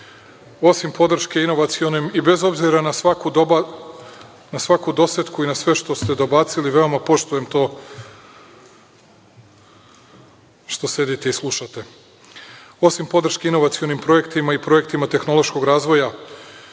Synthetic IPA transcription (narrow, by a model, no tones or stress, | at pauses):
o̞simpo̞d̪r̩ʃke̞ino̞ʋat̪sio̞nemibe̞zo̞bziɾanaaku | nasʋakud̪o̞set̪kuinasʋe̞ʃt̪o̞st̪e̞d̪o̞bat̪siliʋe̞o̞mapo̞ʃt̪uje̞mt̪o̞ː | ʃt̪o̞se̞d̪it̪e̞islˠuʃat̪e̞ | o̞simpo̞d̪r̩ʃke̞ino̞ʋat̪sio̞nimpɾo̞je̞kt̪imaipɾo̞je̞kt̪imat̪e̞xno̞lo̞ʃko̞ɡɾaːzʋo̞ja